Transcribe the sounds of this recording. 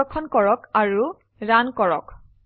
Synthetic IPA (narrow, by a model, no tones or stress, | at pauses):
ɔkʰːɔnkɔɹɔkaɹu | ɹankɔɹɔ̰k